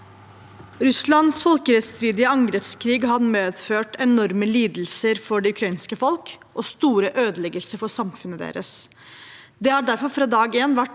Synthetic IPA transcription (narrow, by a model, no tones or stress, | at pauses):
ɾʉslɑnsfɔlkəɾɛt̪st̪ɾiːd̪ɪəɑŋɡɾɛpskʰɾiːɡhɑmeːd̪føːʈɛnɔɾməliːd̪l̩səɾfɔɖɛʉkʰɾɑiːnskəfɔlk | ʔɔst̪uːɾəʔøːd̪əlɛɡəlsəɾfɔsɑmfʉnəd̪ḛːɾəs | d̪ɛhæɖæɾfɔɾfɾɑːd̪ɑːɡeːnʋæʈ